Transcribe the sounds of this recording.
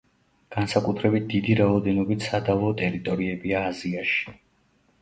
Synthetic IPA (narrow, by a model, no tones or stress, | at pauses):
ɡ̥ansakʼut̪ʰɾɛbit̪̚d̪id̪iɾaɔd̪ɛnɔbit̪ʰsad̪avɔt̪ʼɛɾit̪ʼɔɾiɛbiaːziaʃi̥